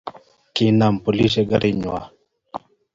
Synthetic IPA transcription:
kina˨mpo˨li˦seɡa̰ɾʔiɲwa̰˨

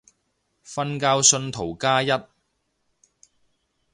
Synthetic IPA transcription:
fɐ˥nkaː˧wsɵ˧nt̪ʰo˨˩wkaː˥jɐ˥t̚

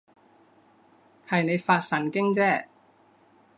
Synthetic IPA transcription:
hɐ˨jne˨˧jfaː˧t̚sɐ˨˩nkɪ˥ŋt͡sɛː˥˩

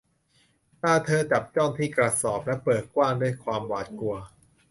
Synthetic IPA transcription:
t̪aː˥˩t̪ʰɤː˧t͡ɕa˨˩p̚t͡ɕɔː˥˩ŋt̪ʰiː˥˩kɾa˧sɔː˨˩p̚lɛ˦˥pɤː˨˩t̪̚kwaː˥˩ŋdu˥˩əjkʰwaː˧mwaː˨˩t̪̚ku˧ɐ

